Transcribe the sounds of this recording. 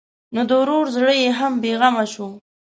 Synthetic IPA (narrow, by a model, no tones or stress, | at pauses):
nod̪əwɾoɾzɽəjeɦambeɣamaʃo